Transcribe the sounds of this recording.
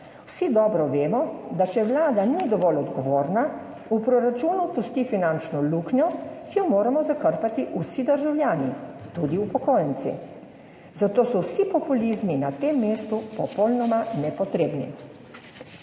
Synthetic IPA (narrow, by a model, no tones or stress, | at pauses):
wsid̪ɔːbɾɔʋeːmɔd̪at͡ʃɛʋlaːd̪anid̪ɔʋɔlɔd̪ɡɔʋoːɾna | upɾoɾat͡ʃuːnupust̪ifinant͡ʃnɔluːkɲɔkijɔmoːɾamɔzakəɾpat̪iʔusid̪əɾʒawljaːnit̪ud̪iupɔkoːjənt̪sḭ | zat̪oːsɔwsipɔpulizminat̪emːeːst̪upɔpɔlnɔmanɛpɔt̪ɾeːbnḭ